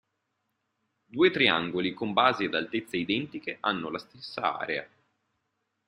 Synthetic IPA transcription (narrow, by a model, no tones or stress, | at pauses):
d̪uːet̪ɾia̰ŋɡolikombaːzead̪alt̪et̪sːeid̪ɛnt̪ikeʔanːolast̪esːaa̰ːɾea̰